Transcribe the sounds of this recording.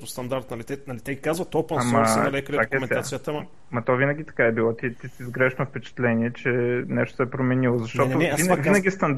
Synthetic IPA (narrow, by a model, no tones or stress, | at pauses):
ʊst̪ɐnd̪aɾt̪nɐlit̪ɛnɐlit̪ɛɡʲikazvɐt̪opənmɐnɐlɛkəliɾakkmɛnasijət̪əm | mɐt̪ɔvinɐɡʲit̪ɐ̥kaɛbilˠɔt̪it̪isizɡɾɛʃnofpɛt͡ʃɛ̥t̪lɛniɛt͡ʃɛnɛʃt̪ʊsɛpɾomɛnilˠozɐʃtt̪ɔʊinvinɐɡʲist̪ɐnd̪